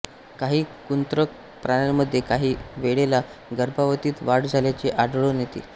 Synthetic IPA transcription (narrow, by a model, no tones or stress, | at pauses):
kaɦiːkunt̪ɾək̚ | pɾaɳaməd̪ʱːjekaɦiːʋeɽelaɡəɾbaʋət̪iːt̪ʋaɽd͡zʱaljat͡ɕeʔaɖɭonet̪ḭː